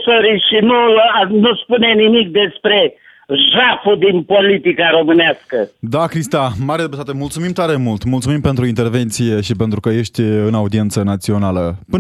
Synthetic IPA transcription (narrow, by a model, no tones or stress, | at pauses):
soɾiʃinunuspune̞nimik̚d̪e̞spɾe̞ | ʒafud̪inpolit̪ikaɾo̞mɨneaskəd̪akɾist̪amaɾed̪epət̪at̪emult̪sumimt̪aɾe̞mult̪mult̪sumimpent̪ɾuint̪e̞rve̞nt̪sije̞ʃipent̪ɾukəje̞ʃt̪ʲɨnaud̪ie̞nt̪sənat̪sio̞naləpɨ